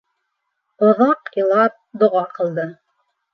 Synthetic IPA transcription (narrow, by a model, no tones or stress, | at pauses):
ŏðɑqjɤ̆lˠɑp̚d̪ŏʁɑqɤ̆lˠd̪ɤ